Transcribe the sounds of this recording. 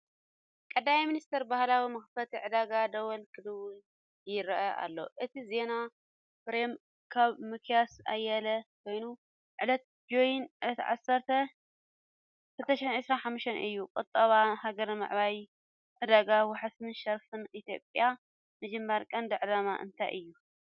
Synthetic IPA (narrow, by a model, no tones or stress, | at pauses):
kʼɐd̪amiminist̪ʰɐɾbahlawimɐxfɐt̪ʰiʕɨd̪aɡad̪ɐwɐlkʰɨd̪ɨwu | jɪɾɐʔɐʔa̰lːo̞̰ʔɨt̪ʰize̞na | fɾem | kʰaβmɨkʰjasa̰jɐlɐkʰo̞jnu | ʕɨlɐt̪̚d͡ʒojnʔɨt̪ʰiʕa̰sːɐɾt̪ʰɐ | kʰɨlt̪ʰɐʃħinʕɨsɾanħamːuʃt̪ʰɐnʔɨ̰jːukʼɨt̪ʼːɐβahaɡɐɾmɨ̰ʕβaj | ʕɨd̪aɡawaħasɨnʃɐɾfɨnʔit̪ʰjo̞̰pʼja | mɨd͡ʒɨmːɐɾkʼɐnd̪ɨʕɨlama̰ʔɨ̰nt̪ʰajʔɨjːu